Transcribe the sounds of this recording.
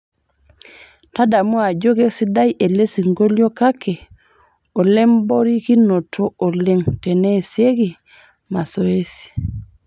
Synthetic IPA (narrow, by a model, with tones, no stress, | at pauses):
ta˦da˨mu˦a˨ɟo˦ɡe˦si˦da˦je˨le˦si˨ŋɡo˦ljo˦ka˦kʰe˨ | o˨le˦mbo˦ɾi˦ki˦no˨tʰo˦o˨le˦ŋte˨ne˦˨sje˦ɡi˨ | ma˨so˨e˦si̥˨